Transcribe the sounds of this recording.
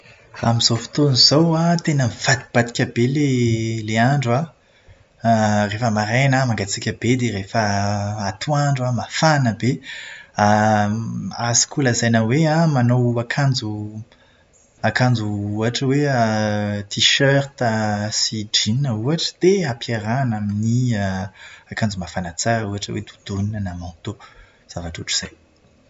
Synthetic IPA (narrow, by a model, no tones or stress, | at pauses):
ramizofi̥t̪onizowat̪enəmiv̥ad̪ib̥ad̪ikʲəbeleleaɳɖ͡ʐwa | refəmaɾenəmaŋɡat͡sikʲəb̥ed̪eɾefəat̪ʰuaɳɖ͡ʐuamafanəbe | a | asi̥kulazajnəweãmanowakʰand͡zu | akãnd͡zuuaʈ͡ʂəweət̪iʃœrt̪əsid͡ʒininəuaʈ͡ʂə̥d̪̥eapjaɾanaminiəakãnd͡zumafanat͡sauaʈ͡ʂə̰wḛd̪ud̪̥uninənamɔ̃t̪o | z̥avaʈ͡ʂuʈ͡ʂu̥z̥aj